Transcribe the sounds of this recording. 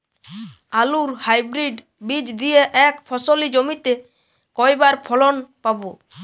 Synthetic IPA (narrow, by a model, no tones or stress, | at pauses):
aluɾhajbɾiɖ | bid͡ʑd̪ijeʔɛkpʰɔsolid͡ʒomit̪e | kɔjbaɾpʰɔlonpabo